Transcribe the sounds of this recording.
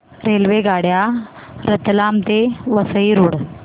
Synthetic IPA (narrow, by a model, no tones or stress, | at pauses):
ɾelʋeɡaɽja | ɾət̪lamt̪eʋəsəiɾuɽ